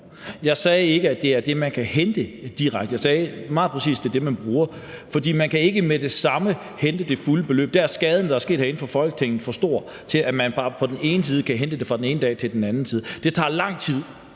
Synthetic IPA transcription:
jɑ̈ɪsɛːe̝ɡ̥əæd̥e̝æɐd̥e̝mænkʰæhend̥əd̥iʁaɡ̥d̥əjɑɪsɛːmɑ̈ːð̩ˠpʰʁɛsḭːsd̥e̝d̥e̝mænb̥ʁuːɐ | fɒ̽d̥ḭːmænkʰæe̝ɡ̥əmed̥e̝sɑ̈mə | hend̥əd̥e̝fuləb̥e̝lø̰ːb̥d̥ææɐsɡ̥ɛːð̞ˠn̩d̥ɑ̈æɐsɡ̥e̝̰ːd̥hæɐen̩fɒ̽fɒ̽lɡ̥ə̥t͡sʰeŋ̰n̩ˠfɒ̽sd̥o̝̰ɐ̰ | t͡sʰe̝læmænbɑ̈ːpʰɒ̽d̥ene̝ːnəs̬iːð̞ˠəkʰæɦend̥əd̥e̝fʁɑ̈d̥en̩e̝ːnəd̥ɛ̰ːt͡sʰe̝ld̥enænn̩siːð̞̩ˠd̥e̝t͡sʰɑ̰̈ːlɑ̈ŋ̰t͡sʰið̞̰ˠ

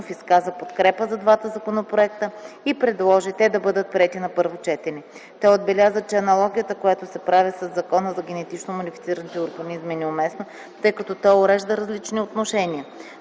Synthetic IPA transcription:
fiskazəpot̪kɾɛpəzɐd̪vat̪əzɐkonopɾoɛk̚t̪əipɾɛd̪lˠɔʒit̪ɛd̪ɐbɤd̪ət̪̚pɾʲiɛt̪inɐpɤɾvot͡ʃɛt̪ɛnɛ | t̪ɛod̪̚bɛlʲazət̪̚t͡ʃɛɐnɐlˠɔɡʲijət̪əkojat̪osɛpɾavisɐzːɐkɔnəzɐɡʲɛnɛt̪it͡ʃnomonifit̪siɾənit̪ɛoɾɡɐnizminɛomɛsno | t̪ɤjkɐt̪ɔt̪ɔoɾɛʒd̪əɾɐzlit͡ʃniot̪noʃɛnʲiə

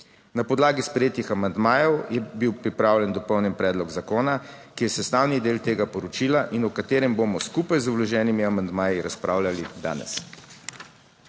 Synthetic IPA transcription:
napɔd̪laːɡispɾɛjeːt̪ixamand̪maːjɔwjɛbiwpɾipɾaːwlʲjɛnd̪ɔpɔwnjɛnpɾɛːd̪lɔɡzakoːna | kijɛsɛst̪aːwnid̪eːlt̪eːɡapɔɾɔt͡ʃiːlaʔinɔkat̪eːɾɛmbomɔskupajzɔblɔʒɛːnimiamand̪maːjiɾaspɾʔaːwlʲalid̪a̰ːnɛ̰s

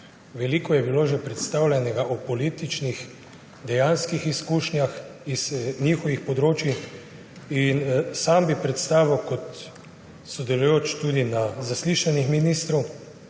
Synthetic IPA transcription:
ʋɛliːkɔjɛbiloːʒɛpɾɛt̪st̪awlʲɛnɛɡaʔɔpɔliːt̪it͡ʃnix | d̪ɛjanskixiskuːʃnjaxiz̥nixɔʋixpɔd̪ɾoːt͡ʃix | insambipɾɛt̪st̪aːʋiwkɔt̪ | sɔd̪ɛlujoːt͡ʃt̪ud̪inazasliʃanixminist̪ɾɔw

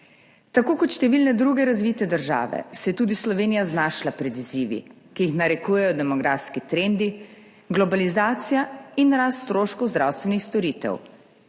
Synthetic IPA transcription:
t̪akoːkɔt̪ʃt̪ɛʋilnɛd̪ɾuɡɛɾazʋiːt̪ɛd̪əɾʒa̰ːʋɛ̰sɛjɛt̪uːd̪islɔʋeːnijaznaːʃlapɾɛd̪iziːʋḭ | kijixnaɾɛkuːjɛjɔd̪ɛmɔɡɾaːfskit̪ɾend̪i | ɡlɔbalizaːt̪sijainɾaːst̪ːt̪ɾoːʃkɔwzd̪ɾa̰ːwst̪ʋɛnixst̪ɔɾiːt̪ɛ̰w

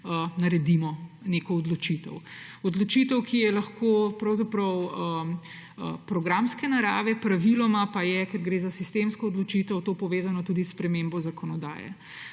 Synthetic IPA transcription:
nɐɾɛd̪imɔnekɔːd̪lɔt͡ʃit̪ɛ̰wɔd̪lɔt͡ʃit̪əwkʰijɛlɐxkʰopɾɐwzapɾɐwə | əpɾɔɡɾamskɛnaɾaːʋɛpɾaʋilɔmapajɛkɛɾɡɾeːzasist̪emskɔːd̪lɔt͡ʃit̪ɔwt̪oːpɔʋeːzanɔt̪uːd̪isːpɾɛmembɔzakʰɔnɔd̪a̰ːjɛ̰

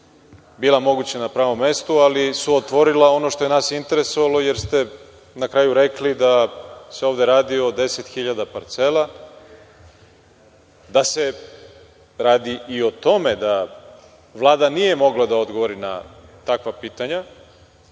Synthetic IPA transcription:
biːlˠamoɡut͡ɕanapɾaːʋo̞mːe̞st̪ualisuot̪ʋo̞ɾilao̞noʃt̪o̞jenaːsint̪e̞ɾe̞so̞ʋalˠo̞jeɾst̪e̞ | nakɾajuɾe̞klid̪ase̞oʋd̪e̞ɾaːd̪io̞d̪e̞se̞t̪xiʎad̪apaɾt̪se̞lˠa | d̪ase̞ | ɾaːd̪iʔio̞t̪o̞me̞d̪a | ʋlˠaːd̪anije̞mo̞ɡlad̪aod̪ɡoʋoɾina̰t̪akʋapiːt̪aɲa

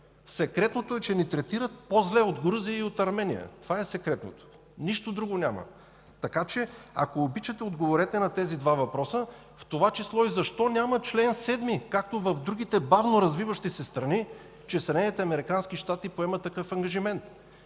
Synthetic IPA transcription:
sɛkɾɛt̪not̪oɛt͡ʃɛnit̪ɾɛt̪iɾət̪̚pozlɛod̪ɡɾuziəiot̪ɐɾmɛnḭjə̰t̪ovaɛsɛkɾɛt̪no̰t̪o̥ | niʃt̪od̪ɾuɡonʲamɐ̰ | t̪ɐkat͡ʃɛɐ̰koːbit͡ʃɐt̪ɛod̪ɡovoɾɛt̪ɛnɐt̪ɛzid̪vavɐpɾɔsə | ft̪ovat͡ʃislˠɔizɐʃt̪ɔnʲamɐt͡ʃlɛnsɛd̪mikak̚t̪ovɐvd̪ɾuɡ̟it̪ɛbavnoɾɐzvivəʃt̪isɛst̪ɾɐni | t͡ʃɛsɛd̪ɛnɛnit̪ɛɐmɛɾikansk̟iʃt̪at̪ipoɛmɐt̪ːɐkɤfɐŋɡɐʒimɛnt̪

